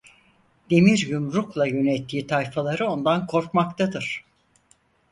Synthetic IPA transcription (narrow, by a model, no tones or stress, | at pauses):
d̪̥e̞miɾjumɾuklˠajø̞nɛt̪ʰːiːt̪ʰajfalˠaɾɯo̞nd̪ankʰo̞ɾkmakt̪ʰad̪ɯɾ̥